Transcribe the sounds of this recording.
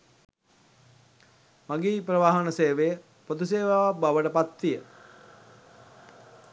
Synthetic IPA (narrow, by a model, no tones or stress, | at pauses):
maɡeːpɾəʋaːɦənəseːʋejə | pod̪useːʋaʋabaʋəʈəpat̪ːijə